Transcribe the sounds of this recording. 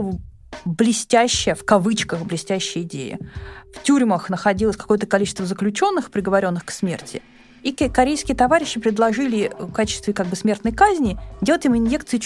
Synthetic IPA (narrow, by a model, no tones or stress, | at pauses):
blʲɪsʲtʲæɕːɪjəfkɐvɨt͡ɕkəxblʲɪsʲtʲæɕːɪjəɪdʲḛjə̰ftʲuɾʲməxnəxɐdʲilˠəsʲkɐ̥ko̞jət̪əkɐlʲit͡ɕɪ̥st̪vəzəklʲʉt͡ɕo̞nːɨxpɾʲɪɡəvɐɾʲo̞nːɨxksmʲe̞̰rtʲʰɪ̰ | ikɐɾʲejskʲɪjət̪ɐvaɾʲɪɕːɪpɾʲɪd̪lˠɐʐɨlʲɪkat͡ɕɪ̥st̪vʲɪkaɡ̚bɨsmʲe̞rt̪nəjkazʲnʲɪdʲelˠətʲɪmɪnje̞kt̪sɨɪ